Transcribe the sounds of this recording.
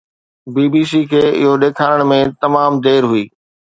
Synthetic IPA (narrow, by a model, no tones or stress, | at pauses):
biːbiːs̬iːkʰeːɪ̰ɦoɗeːkʰaːɾəɽ̃mẽt̪ɐmaːmd̪eːɾɦʊiː